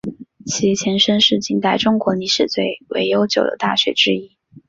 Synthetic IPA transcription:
t͡ɕʰi˧˥t͡ɕʰjɛ˧˥nʂə˥nʂɻ̩˥˩t͡ɕi˥˩ŋt̪a˥˩ɪʈ͡ʂʊ˥ŋkwɔ˧˥ni˧˥ʂɻ̩˥˨˩t͡swe˥˩ɪwḛ˧˥ɪjo˥ʊt͡ɕjo˨˩ʊd̪ə̰˦t̪a̰˥˩ɕɥɛ̰˨˧˥ʈ͡ʂɻ̩˥i˥

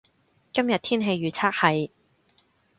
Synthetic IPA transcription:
kɐ˥mjɐ˨t̚t̪ʰiː˥nɦe˧jɥyː˨˩t͡sʰaː˥k̚hɐ˨˩j

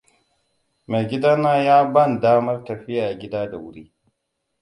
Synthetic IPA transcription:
me˨ɡʲɪ˦daː˦naː˦jaː˦bɐ˦˨ndaː˦mɐ˦rtɐ˨ɸɪ˦jaː˨ɡʲɪ˦daː˦da˨wʊ˦ɽiː˦

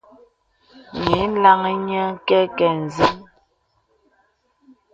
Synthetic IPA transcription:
ŋe˨˦la˦ŋə˦ɲə˦kɛ˦kɛ˨n˨zə˦m

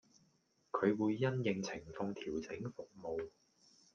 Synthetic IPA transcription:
kʰɵ˨˧ɥwuː˨˧jːɐ˥njɪ˨˩ŋt͡sʰɪ˨˩ŋfɔː˧ŋt̪ʰiː˨˩wt͡sɪ˨˥ŋfʊ˨k̚mo˨˧w

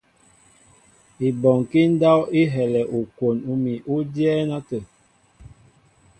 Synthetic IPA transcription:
i˨bɔ˨ŋki˦n˦da˦wi˦ɦɛ˨lɛ˨ʔu˨kwo˨nu˦mi˨ʔu˦djɛː˦na˦tə˨

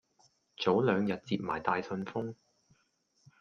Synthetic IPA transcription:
t͡so˨˥wlœː˨˧ŋjɐ˨t̚t͡siː˧p̚ma̰ː˨˩jt̪aː˨˧jsɵ˧nfʊ˥ŋ

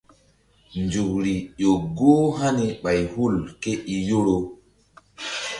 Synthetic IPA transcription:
nd͡ʒu˨k̚ɾi˨ʄo˨ɡo˦ɦa˦ni˨ɓa˨jhu˦˨lke˦ʔi˨jo˦ɾo˦

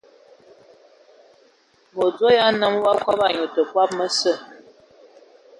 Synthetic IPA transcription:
mo˨d͡zo˦ja˦nə˦m˦wa˦ka˦ba˨ɲo˨tə˨kwa˦p̚mə˦sə˦˨

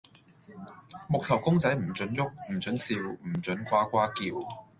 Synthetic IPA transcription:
mʊ˨k̚t̪ʰɐ˨˩wkʊ˥ŋt͡sɐ˨˥jm̩˨˩t͡sɵ˨˥njʊ˥k̚m̩˨˩t͡sɵ˨˥nsiː˧wm̩˨˩t͡sɵ˨˥nkʷaː˥kʷaː˥kiː˧w

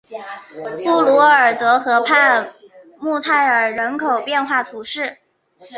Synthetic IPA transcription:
fu˥˩lu˧˥ə˞˨˩t̪ɤ˧˥xɤ˧˥pʰa˥˧ | mu˥˧t̪ʰa˥˩ɪə˞˨˩ɻə˧˥nkʰo˨˩ʊpjɛ˥˧nxwa˥˩t̪ʰu˧˥ʂɻ̩˥˩

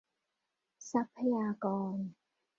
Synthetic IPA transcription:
sa˦˥pʰe˦aː˧kɔː˧ŋ

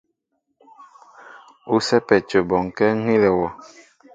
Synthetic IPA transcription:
u˦sɛ˦pɛ˨t͡ʃo˨bɔ˨ŋ˨kɛ˦ŋi˦lɛ˨wɔ˨

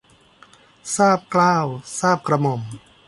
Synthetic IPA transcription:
saː˥˩p̚klaː˥˩wsaː˥˩p̚kɾa˧mo˨˩m

